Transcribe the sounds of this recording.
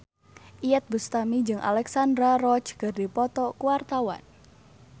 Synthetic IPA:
ʔiɛt̪̚bust̪amid͡ʒɨŋʔa̰lɛksandɾaɾɔt͡ʃkɨrdipɔt̪ɔkuwart̪awa̰n

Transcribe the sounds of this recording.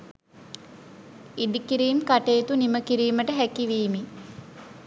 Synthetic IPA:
iɖikiɾiːmkaʈeːt̪uniməkiɾiːməʈəɦækiʋiːmi

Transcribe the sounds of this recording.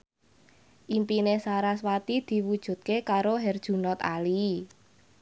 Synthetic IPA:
ʔimpinesaɾaswat̪id̪̥i̤wud̥ʒ̥ṳt̪̚kekaɾoɦɛrd̥ʒ̥ṳnɔt̪a̰li

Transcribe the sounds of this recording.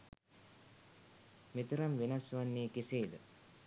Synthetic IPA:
met̪uɾɐmʋenɐsʋanːiːkeseːd̪ə̰

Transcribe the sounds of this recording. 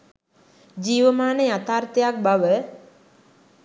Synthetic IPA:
d͡ʒiːʋəmaːnəjat̪aːrt̪əjak̚baʋə

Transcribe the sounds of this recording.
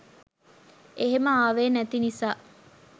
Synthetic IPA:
ʔeɦeməaːʋeːnæt̪inisaː

